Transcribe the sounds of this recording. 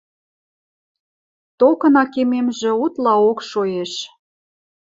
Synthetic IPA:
t̪okə̆nɑkememʒĕut̪lɑokʃojeʃ

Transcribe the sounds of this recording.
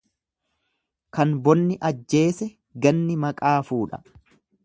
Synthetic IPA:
kɐnbɔnːɪʔɐd͡ʒːe̞ːsɛ | ɡɐnːɪmɐkʼaːfuːᶑɐ̥̰

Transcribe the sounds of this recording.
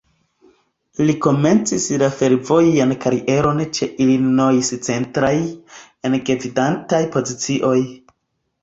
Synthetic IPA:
liko̞me̞nt͡sislafe̞ɾvo̞jankaɾiʔe̞ɾo̞nt͡ʃe̞ʔilinojist͡se̞ntɾaj | e̞nɡevidantajpo̞zit͡siʔo̞j

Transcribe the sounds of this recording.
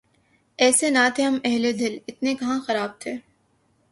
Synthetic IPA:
ɛːsenat̪ʰeɦɐmɛɦled̪ɪlɪt̪nekɐɦãxɐɾaːb̚t̪ʰeː

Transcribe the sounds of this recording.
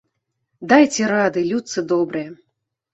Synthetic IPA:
d̪ajt͡sʲɛɾad̪ɨlʲut̪sɨd̪ɔbɾɨjɛ

